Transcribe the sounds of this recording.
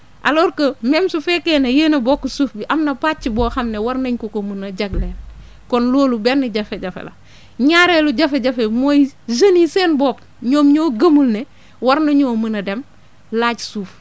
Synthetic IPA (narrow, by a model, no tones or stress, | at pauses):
ʔa̰loɾkəmemsufekeːnɐjeːnɐboːkːusuːfbiʔɐmnɐpaːt͡ʃːiboːxɐmnewaɾnɐɲkokomunɐɟɐɡleːn | kɔnloːlubɛnːiɟɐfeɟɐfḛlɐ̰ | ɲaːɾeluɟɐfeɟɐfemojzɐniseːnboːp | ɲoːmɲoːɡɐmulne | waɾnɐɲoːmənɐdem | laːɟsuːf